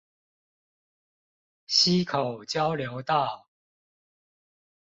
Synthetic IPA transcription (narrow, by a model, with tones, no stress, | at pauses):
ɕi˦kʰo˨˩ʊt͡ɕjɑ˦ʊljo˧˦ʊt̪a˥˨